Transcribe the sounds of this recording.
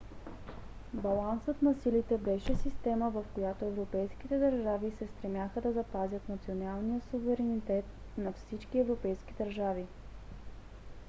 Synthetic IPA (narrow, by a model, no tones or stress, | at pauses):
bɐlˠansət̪nɐsilit̪ɛbɛʃɛsist̪ɛməvɐfkojat̪oɛvɾopɛjsk̟it̪ɛd̪əɾʒavisɛst̪ɾɛmjaxəd̪ɐzɐpazʲjət̪nɐt̪sionalˠnijəsuvɛɾɛnit̪ɛt̪̚ | nɐfsit͡ʃkiɛvɾopɛjsk̟id̪ɐɾʒavi